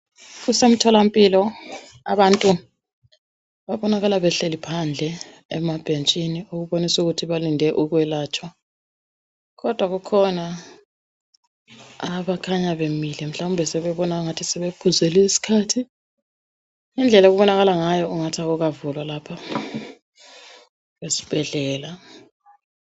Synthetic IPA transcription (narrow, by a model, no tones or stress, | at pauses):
ɣusem̩tʰɔlampʼilɔ | aβantʼu | βaβɔnaɣalaβɛɬelipʰand͡ɮʱɛ | ɛmab̥ʱent͡ʃʼiniuɣuβonisuɣutʰiβalindʱɛʔuɣwɛlaːt͡ʃʼwa | ɣɔd̥ʱwaɣukʰɔna | aβakʰaɲaβemilɛm̩ɬaumbʱɛsɛβɛβɔnaŋatʰisɛβekʰuzeliisi̥kʰaːtʰi | ind͡ɮʱɛlaɣuβɔnaɣalaŋajɔuŋatʰaɣuɣavulwalaːpʰa | wesi̥b̥ʱɛɮɛːla